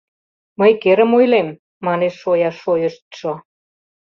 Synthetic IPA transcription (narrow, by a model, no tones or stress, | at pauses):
məjkeɾə̆mojlemː | ɑneʃːojɑʃojə̆ʃt̪̚ʃo